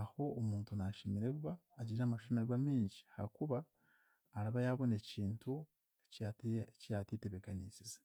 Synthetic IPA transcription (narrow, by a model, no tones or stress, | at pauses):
aho̞ːmuːntunaʃimiɾe̞kuβaːɟiɾamaʃumieɡwamiːɲɟi̥ha̰ɾikuβaː | ɾaβajaβo̞ne̞ciːntu | ecijatiteβekanit͡size̥